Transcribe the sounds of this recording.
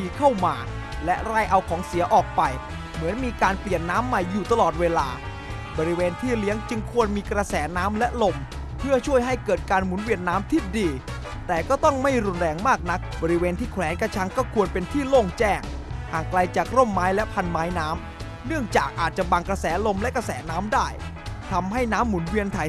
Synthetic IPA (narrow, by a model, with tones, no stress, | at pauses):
iː˧kʰa˥˩wmaː˧ | lɛ˦˥ʔɾa˥˩jʔa˧wkʰɔː˩˦ŋsi˨˩˦ɐʔɔː˨˩k̚pa˧j | mɯ˩˦ənmiː˧kaː˧npli˨˩ənːaː˦˥mːa˧˩jːuː˨˩t̪a˧lɔː˨˩t̪̚weː˧laː˧ | bɔː˧ɾi˦˥weː˧nt̪ʰiː˥˩li˦˥əŋt͡ɕɯ˧ŋkʰu˧ənmiː˧kɾa˧sɛː˩˦naː˦˥mlɛ˦˥ʔlo˧m | pʰɯ˥˩ɐt͡ɕʰu˥˩əjɦa˥˩jkɤː˨˩t̪̚kaː˧nmu˨˩˦nwi˧˩ənːaː˦˥mt̪ʰiː˦˥˩diː˧ | t̪ɛː˨˩kɔː˥˩t̪ɔ˥˩ŋma˥˩jɾu˧nɾɛː˧ŋmaː˥˩k̚na˦˥k̚bɔː˧ɾi˦˥weː˧nt̪ʰiː˥˩kʰwɛː˩˦nka˧t͡ɕʰa˦˥ŋkɔː˥˩kʰu˧ənpe˧nt̪ʰiː˥˩loː˥˩ŋt͡ɕɛː˥˩ŋhaː˨˩ŋkla˧jt͡ɕaː˨˩k̚ɾo˥˩mːaː˦˥jlɛ˦˥pʰa˧nmaː˦˥jnaː˦˥m | nɯ˥˩əŋt͡ɕaː˨˩k̚ʔaː˨˩t̪̚t͡ɕa˨˩ʔbaː˧ŋkɾa˧sɛː˩˦lo˧mlɛ˦˥ka˧sɛː˩˦naː˦˥mdaː˥˩j | t̪ʰa˧mha˥˩jnaː˦˥mːu˩˦nwi˧ənt̪ʰaː˨˩j